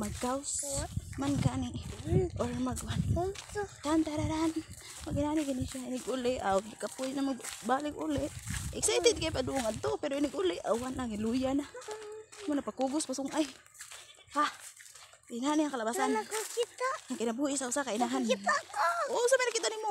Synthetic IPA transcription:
maɡkawsmankanɪolmaɡwan | t̪ant̪aɾaɾan | maɡɪnanɪɡinɪʃaɪnɪɡʔʊlɪʔaɪkapʊjnamaɡbalɪɡʊlɪʔʔɪksajt̪ɪd̪̚kajpad̪ʊʔʊŋad̪̚t̪opɛɾoɪnɪɡʊlɪʔa̰wanʔaŋɪlujana | monapakuɡʊspasʊŋʔaj | ha | ɪnahaniaŋkalabasankkit̪aʔaŋkɪnabuʔɪsaʊsakaɪnaɦanakoosapajnakit̪aʔnimo

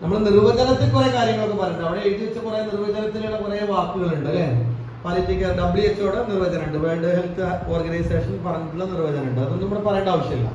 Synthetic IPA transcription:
nɐmːɐɽenirʋɐd͡ʑɐnɐt̪ːilkurɐkaːɾjɐŋːɐɭokːepɐrɐjɐɳɖɐʋiɽeːʈːiʋɐt͡ɕːɨkurɐjːɐnirʋɐd͡ʑɐnɐt̪ːiluɽekurɐjɐʋaːrkːuɣɐɭuɳɖɨɐlːeːn | paːlitːikʲːɐɖɐbɭieso̞ːɽenirʋɐd͡ʑɐnɐuɳɖɨʋe̞ːɳɖɨɦelt̪ɨoːrɡɐnɐjse̞ːʂɐnpɐrɐɲːiʈ̪ːuɭːɐnirʋɐd͡ʑɐnɐuɳɖɨɐðonːnɐmɐɽepɐrɐjɐɳɖaːʋɐʂjɐmilːɐ̰

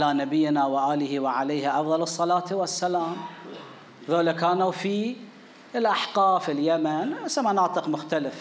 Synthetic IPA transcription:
lanabɪjːnawɪʔaːlɪhiwɪʕalajːhʔɑfðˤɑlɨsˤːɑlɑːt̪wasːalaːm | ðoːlakaːnawfi | ɪlʔaħqɑːfɪljamanasamanɑːt̪ˤɨqmʊxt̪alɪf

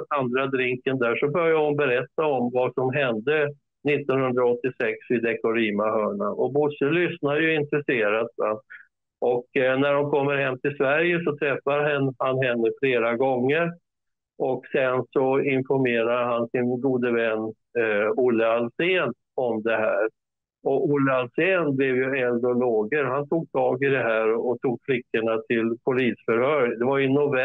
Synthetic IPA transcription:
and̪ɾad̪ɾɪŋkənd̪æʂɔbœɾjahʊnbɛɾɛt̪ːaɔmvasɔmɦɛnd̪ə | nɪt̪ːɔnhɵnd̪ɾaɔt̪ːɪsɛksɪd̪ɛkɔɾiːmaɦœːɳaʔɔbʊsːəlʏsnad̪jɵɪnt̪ɾɛseːɾat̪va | ʔɔknæɖɔmkʰɔmːəɾhɛmːt̪ʰɪlsvæɾjəsɔt̪ʰɾɛfːaɾɦɛnːhanɦɛnːəfleːɾaɡɔŋːəɾ | ɔksɛnsɔɪnfɔɾmeːɾad̪əɦansɪnɡuːd̪əvɛnː | ʊlːəalseːn | ɔmd̪ɛɦæːɾ | ɔʊlːəalseːnblɛvjɵɛld̪ɔloːɡəɾhant̪ʰuːɡ̚t̪ʰɑːɡɪd̪ɛɦæːɾɔɔt̪ʰuːɡ̚fʰlɪkːəɳat̪ʰɪlpʰʊliːsfœɾhœːɾd̪ɛvajɵnːʊvɛ

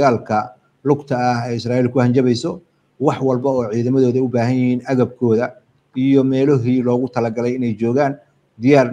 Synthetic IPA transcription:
ɣaːlkʰɐ | lʊɡt̪ʰɐːhɛjɪsraːiːlkʰʊhɐnt͡ʃɐβɛjsɔ | wɑħwɑlbɐɔːʕiːðɐmɐðɔːðɐʊbaːɦɐnjɪhiːnʔɐɣɐb̚kʰɔːðɐ | ijɔmɛːlɔɦiːlɔːɣʊt̪ʰɐlɐɡɐlɛjɪnɛjt͡ʃɔːɣaːn | d̪ɪjaːr

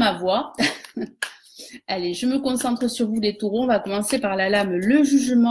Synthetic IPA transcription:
mavwa | aleʒəməkɔ̃sɑ̃t̪χəsyʁvud̪et̪uʁɔ̃ɔ̃vakɔmɑ̃sepaʁlalamləʒyʒmɑ̃

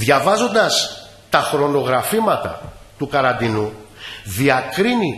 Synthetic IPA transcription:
ðʝɐvɐzo̞nd̪ɐs | t̪ɐxɾo̞no̞ɣɾɐfimɐt̪ɐ̰t̪ukɐɾɐnd̪inuðiɐkɾini

